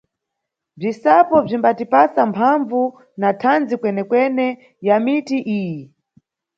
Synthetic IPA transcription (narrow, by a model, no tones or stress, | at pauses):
b͡ʐisapɔb͡ʐimbatipasampʰaɱvu | natʰand͡zikwɛnɛkwɛnɛ | jamitiʔiːji